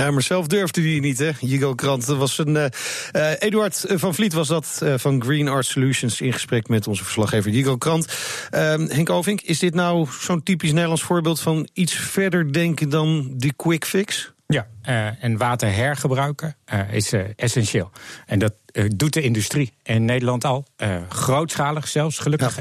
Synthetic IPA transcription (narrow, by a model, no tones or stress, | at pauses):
jaːmaɹsɛlˠfdøɹvdəinitɦɛjiɡowkrɑntʋɑsənəʔejdəɑɹtvɑnflitʋɑzdɑtvɑnɡrinɑɹtsoluʃənsɪnχə̥sprɛkmɛtɔnzəvə̥ɹslɑχejvəjiɡowkrɑntəɦɛŋkowvɪŋkɪsdɪtnawz̥owntipisnejdəlɑnsfʊːɹbɪːlˠtfɑnitsfɛɹdəɹdɛŋkədɑndəkwɪkfɪksjaənʋaːtəɹɦɛɹχəbrœɥkəɪ̰sɛsɛnʃeːlˠɛndɑt̚dut̚dəɪndystriɪnːejdəlɑntɑlˠəχrowtsχaːləχsɛlˠfsχəlɵkəχ